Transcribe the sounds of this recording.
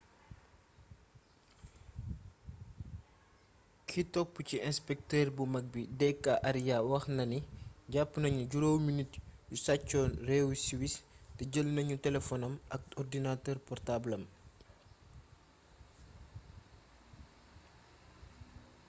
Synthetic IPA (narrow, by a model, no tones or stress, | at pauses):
kʰitɔk̚puciɛ̃spɛk̚tɛːrbumɐk̚bidɛkːaʔɐɾijawɐxnɐniɟapːnɐɲuɟuɾowminitjusat͡ʃːɔːnrɛwsiwistɛɟəlnɐɲutɛlɛfɔnɐmɐk̚ɔrdinatəːrpɔrtablɐm